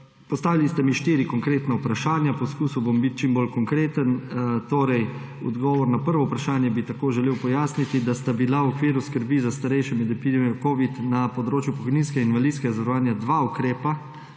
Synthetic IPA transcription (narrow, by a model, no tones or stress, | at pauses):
pɔst̪aːʋilist̪ɛmiʃt̪iːɾikɔŋkɾeːt̪naupɾaʃaːnjapɔskuːsuwbombit̪̚t͡ʃimbolkɔŋkɾeːt̪ənt̪oːɾɛj | ɔ̰d̪ɡɔːʋɔɾnapəɾʋɔupɾaʃaːnjɛbit̪akoːʒɛleːwpɔjaːsnit̪id̪ast̪abilawɔkʋiːɾuskəɾbizast̪aɾɛjʃɛmɛd̪ɛpid̪emiɔkoːʋit̪napɔd̪ɾoːt͡ʃjupɔkɔjniːnskɛɡainʋalid̪skɛɡazʋɛɾɔʋaːnjad̪ʋaukɾeːpa